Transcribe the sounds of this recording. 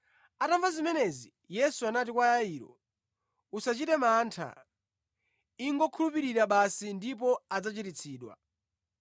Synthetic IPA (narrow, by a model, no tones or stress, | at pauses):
ataɱvazimɛnɛzi | jɛsuanat̬ikwajaiːɾɔ̰ | usat͡ʃitɛmaːntʰa̰ | iŋɡɔkʰulupiɾiɾaɓasindip̬ɔad͡zat͡ʃitit͡sʰiːɗwa̰